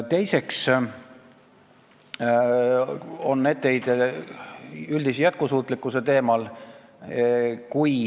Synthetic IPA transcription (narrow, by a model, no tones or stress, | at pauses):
t̪e̞jse̞ks | o̞nːe̞d̪̚t̪ːe̞jd̪̥ | yld̪isjæt̪̚kusuːt̪ˑlikːˑuset̪e̞ːmɑl | kuj